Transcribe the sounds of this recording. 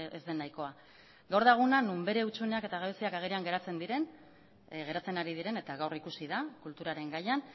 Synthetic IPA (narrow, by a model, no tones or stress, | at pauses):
ezd̪e̞nːajko̞a | ɡawɾðaɣunanumbe̞ɾe̞ut͡ʃune̞ake̞t̪aɣaβesiakaɣ̞eɾeaŋɡe̞ɾat͡se̞nd̪iɾe̞n | ɣe̞ɾat͡se̞naɾiðiɾe̞ne̞t̪aɣawrikusiðakult̪uɾaɾe̞ŋɡajan